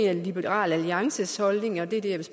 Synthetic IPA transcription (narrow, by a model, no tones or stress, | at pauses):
nælib̥eʁɑ̰̈ːlæliɑ̈ŋsəshɒ̽lne̝ŋɒ̽d̥e̝d̥eɐ̰ʋ̥es